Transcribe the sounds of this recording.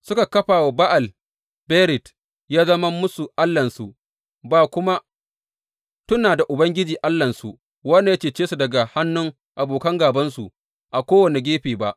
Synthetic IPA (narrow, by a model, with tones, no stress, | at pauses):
sʊ˦ka˨kɐ˦ɸaː˨wa˨ba˦ʔa˨l | beː˦ɾɪ˨t | jaː˦zɐ˦mɐ˦mʊ˦su˨ʔa˦lːɐ˨nsu˨ʔ | baː˨kʷʊ˦ma˦ | tʊ˦naː˨da˨ʔʊ˨bɐ˦ŋɡʲɪ˦d͡ʒiː˨ʔa˦lːɐ˨nsu˨ʔ | wɐ˦nːa˨ja˦t͡ʃeː˦˨t͡ʃeː˦su˨dɐ˨ɡa˨ha˦nːʊ˦ŋ | ʔa˨boː˨kɐ˦ŋɡaː˨bɐ˦nsu˨ | ʔa˨kʷoː˦wɐ˨ne˨ɡʲeː˦ɸiː˨ba˦ʔ